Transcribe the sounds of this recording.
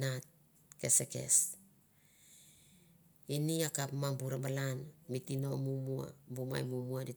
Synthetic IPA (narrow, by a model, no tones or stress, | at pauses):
nat̚ | ke̞seke̞̰s | iniakapmambuɾabalanmitino̞mumua̰buma̰jmumuadi